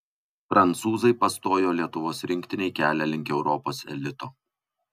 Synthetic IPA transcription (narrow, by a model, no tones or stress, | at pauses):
fɾʔɐnˑt̪suːzɐɪpɐst̪oːjoːlʲiɛt̪ʊʋoːsɾʲɪŋʲkʲt̪ʲɪnʲɛɪkʲæːlʲɛlʲɪŋʲkʲɛʊɾɔpoːsɛ̰lʲɪt̪oː